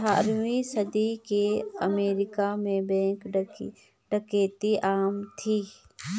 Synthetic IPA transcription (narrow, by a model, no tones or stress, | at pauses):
a̰ːɾwisəd̪ikeɐmeːɾɪkamẽbɛ̃ːŋk | ɖəkeːt̪iʔaːmt̪ʰiː